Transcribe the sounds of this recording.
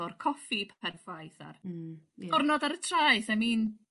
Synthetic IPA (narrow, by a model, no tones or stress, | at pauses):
ʊrkʰɔfipʰpʰɛrfajθa̰r | ʊrnɔdaɾətʰraːjθɛmiːn